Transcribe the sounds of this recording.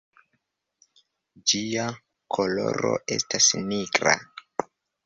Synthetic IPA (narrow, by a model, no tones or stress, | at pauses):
d͡ʒia | kʰo̞lo̞ɾo̞̰ʔe̞stasniɡɾa̰